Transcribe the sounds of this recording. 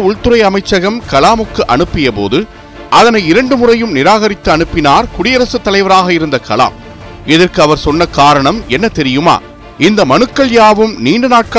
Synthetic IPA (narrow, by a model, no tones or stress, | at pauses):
ʊɭt̪ɯɾɐɪɐmɐɪt͡ʃːɐɣɐmkɐlaːmɯkːɯʔɐɳɯpːɪjɐpo̰ːðɯ | ʔɐðɐnɐɪɪɾɐɳɖɯmʊrɐjɯmnɪɾaːɣɐɾɪt̪ːɯɐɳɯpːɪnaːɾkʊɽɪjɐɾɐsɯt̪ːɐlɐɪʋɐɾaːɣɐɪɾɯnd̪ɐkʰɐla̰ːm | ɪðɐrkɯɐʋɐɾsɔnːɐkaːɾɐɳɐmɛnːɐt̪ɛɾɪjɯma̰ː | ɪnd̪ɐmɐnɯkːɐɭjaːʋɯmniːɳɖɯnaːʈ̚kɐ